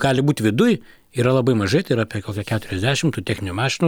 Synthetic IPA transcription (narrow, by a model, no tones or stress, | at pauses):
ɡ̥ɑːlʲɪbuːt̪ʲʋʲɪd̪ʊj | iːɾɐlˠɐbɐɪmɐʒɐɪt̪ɐɪɾɐpʲiɛkoːkʲɛkʲæːt̪ʊɾʲɛzʲd̪ʲæːʃʲɪmt̪uːt̪ʲæːxʲnʲɪnʲumɑːʃʲɪnu